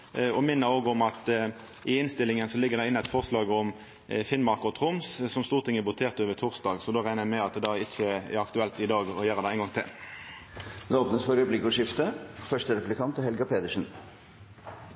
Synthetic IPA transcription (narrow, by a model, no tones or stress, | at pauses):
ɔmɪnːəoːɡɔmɑt̪ | ʔɪɪnst̪ɪlɪŋənsɔlɪɡːəʁd̪ɛɪnːəæɪt̪fɔʁslɑːɡɔm | fɪnmɑʁkɔt̪ʰʁʊmssɔmst̪uːʁt̪ʰɪŋːəbʊt̪ʰeːʁt̪əoːʋət̪ʰʊʁsd̪ɑːɡsɔd̪oːʁæɪnəmɛɑt̪d̪ɑɪt͡ʃːəɛ̰ɾɑkt̪ʉɛlt̪ɪd̪ɑːɡɔjøːɾəd̪ɛæɪnɡɑŋt̪ʰɪ̰l | d̪ɛoːpnəsfɔɾʉblɪkʊʂɪft̪əfœʂʈəɾɛpʉlɪkʰɑnt̪hɛlɡɑpʰeːd̪əʂən̩